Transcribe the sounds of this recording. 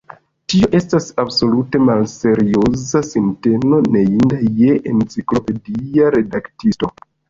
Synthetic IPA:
tio̞ʔe̞stasabso̞lute̞malse̞ɾio̞zasinte̞no̞ne̞indajeʔent͡siklo̞pe̞diaɾe̞daktisto̞

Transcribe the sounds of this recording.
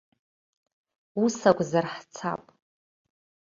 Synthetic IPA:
usakʷʼzarħt͡sʰa̰pʼ

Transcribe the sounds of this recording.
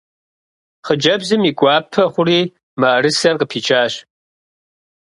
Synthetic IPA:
χəd͡ʒɐbzɨmiːɡʷɑːpʰɐχʷʊriː | mɐɐɾɨsɐrqəpʰiːt͡ʃʰʼaːɕ

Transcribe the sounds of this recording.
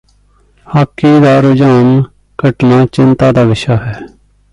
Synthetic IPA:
haːkːiːd̪aːɾʊd͡ʒaːn | kəʈnaːt͡ʃɪnt̪aːd̪aːʋɪʃaːɦɛː

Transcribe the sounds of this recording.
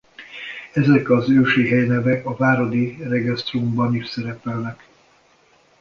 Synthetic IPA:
ɛzɛkɒzøːʃiɦɛjnɛvɛkɒvaːɾo̞d̪irɛɡɛst̪rumbɒniʃsɛɾɛpɛlnɛk

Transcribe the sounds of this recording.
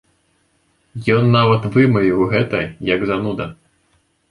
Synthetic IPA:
jɔnːavɐt̪vɨmɨvʲiwɣɛt̪ɐjɐɡzanud̪ɐ

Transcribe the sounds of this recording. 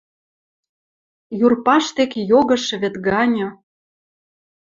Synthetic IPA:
jurpɑʃt̪ekejoɣɤ̆ʃɤ̆βĕt̪ɡɑnʲɤ̆

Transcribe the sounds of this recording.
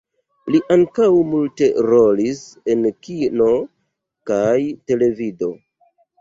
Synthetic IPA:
liʔaŋkawmulte̞ɾo̞lise̞nkino̞ | kajte̞le̞vido̞

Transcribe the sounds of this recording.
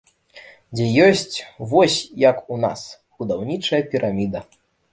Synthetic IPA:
d͡zʲɛjɔsʲt͡sʲvɔsʲjɐkuna̰s | bud̪awnʲit͡ʂɐjɐpʲiɾʔamʲid̪ɐ

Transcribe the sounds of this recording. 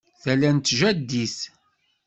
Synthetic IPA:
θælænt̪ːʒæd̪ːiθ

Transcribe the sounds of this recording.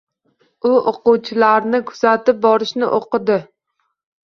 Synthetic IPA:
ʊʔoquwt͡ʃʰɪlaɾnɪkʰʊ̥z̥at̪ɪp̚bɒɾɪʃnɪʔoqɨd̪ɪ

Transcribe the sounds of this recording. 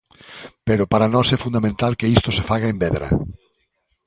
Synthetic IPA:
peɾopaɾanɔsɛfund̪amẽnt̪alkeist̪osefaɣaembɛðɾɐ̰

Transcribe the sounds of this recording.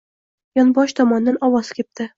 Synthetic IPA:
jɒnbɒʃt̪ʰɒmɒnːanɒwɒzkʲʰep̚t̪ɪ

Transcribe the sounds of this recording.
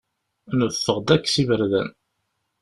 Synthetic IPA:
nəfːəʁd̪ækːsivəɾðæ̰n

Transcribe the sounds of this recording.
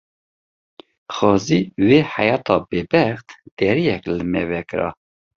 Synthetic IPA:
xɑːziːweːhajɑːt̪ʰɑːbebɛxt̪d̪̥ɛɾijɛklɨmɛvɛkɨɾɑ̰

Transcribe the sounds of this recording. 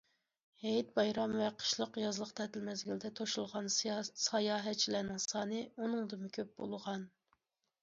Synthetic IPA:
hejt̪̚bɑjɾɑmvɛqʰə̥ʃlˠəqjɑzlˠəqt̪ʰɛt̪ʰɪlmɛzɡʲilɪd̪ɛt̪ʰoʃulˠʁɑnsɑjɑːɦɛt̪t͡ʃʰilænɪŋsɑːnɨunɨŋd̪ɨmɪkʲʰøp̚bo̰lˠʁɑn

